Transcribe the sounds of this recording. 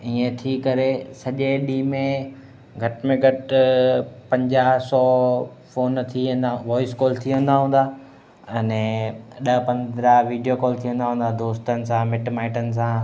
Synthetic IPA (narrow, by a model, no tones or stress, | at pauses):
iːẽt̪ʰikɐɾesɐʄeɗiːmẽ | ɡʱɐʈmẽɡʱɐʈ | pɐ̃ɲd͡ʑaːɦsɔː | foːnt̪ʰiʋə̃nd̪aʋɔːɪskɔːlt̪ʰiə̃n̆d̪aɦũːnd̪aː | ɛnɛɗəɦpɐ̃nd̪ɾaɦʋiːɖijokɔːlt̪ʰijʋə̃nd̪aɦũːnd̪ad̪oːst̪ənɪ̆sãmɪʈmaːɪʈənɪ̆s̬ã